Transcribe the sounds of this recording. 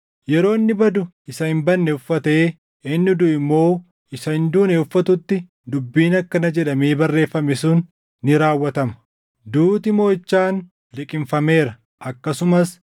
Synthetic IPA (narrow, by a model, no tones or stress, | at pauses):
jɛɾo̞ːɪnːɪbɐd̪ʊ | ɪsɐhɪmbɐnːɛʊfːɐt̪e̞ː | ɪnːɪd̪ʊɪmːo̞ː | ɪsɐhɪnd̪uːnɛʊfːɐt̪ʊt̪ːɪ | d̪ʊbːiːnɐkːɐnɐd͡ʒɛᶑɐmeːbɐrːe̞ːfːɐmɛsuːnː | ɪɾaːwːɐt̪ɐmɐ̥ | d̪uːt̪ɪmo̞ːɪt͡ʃːaːn | lɪkʼɪmfɐme̞ːɾɐ | ʔɐkːɐsʊmɐs